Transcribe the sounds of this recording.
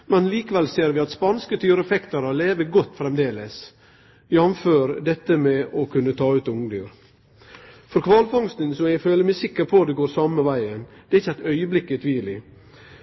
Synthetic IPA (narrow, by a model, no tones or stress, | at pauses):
mɛnliːkəʋɛlseːɾʋɪɑt̪spɑnskət̪ʰyːɾɛfɛkt̪əɾəleːʋəɡɔt̪ːfɾɛmd̪eːləs | jɑmføːɾd̪ɛt̪ːəmɛɔkʰʉnːət̪ʰɑːʉːt̪ʊŋd̪yːɾ | fɔɾkʰʋɑːlfɑŋst̪ənsɔmjæɪɡføːləɾmæsɪkːəɾpʰɔd̪ɛɡoːɾsɑməʋæɪənd̪̥ɛɾɪçːəæɪt̪œʏəblɪkːət̪ʰʋiːlɪ